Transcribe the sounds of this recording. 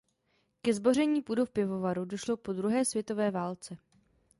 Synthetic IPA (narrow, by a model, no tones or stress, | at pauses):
kɛzbo̞r̝ɛɲiːpudofpjɪvo̞vaɾudo̞ʃlo̞po̞d̪ɾuɦɛːsvjɛt̪ovɛːvaːlt͡sɛ